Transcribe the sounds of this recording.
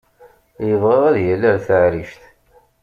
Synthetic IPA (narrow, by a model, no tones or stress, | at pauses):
jəvʁeʁæðjælːæɾθəʕɾiʃθ